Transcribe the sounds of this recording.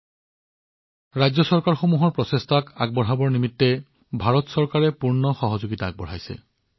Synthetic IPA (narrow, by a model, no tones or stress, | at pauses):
ɹajzɔsɔɹkaɹxomuɦɔɹpɹɔsestʰakaɡ̚bɔɹɦabɔɹnimitːɛ | bʱaɹɔtsɔɹkaɹɛpuɹnɔxɔɦɔzoɡitaːɡ̚bɔɹɦajsɛ̰